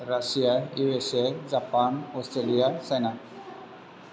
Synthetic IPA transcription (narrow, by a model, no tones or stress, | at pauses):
ɾasijaiʋesed͡ʒapaːnɔstɾelijasena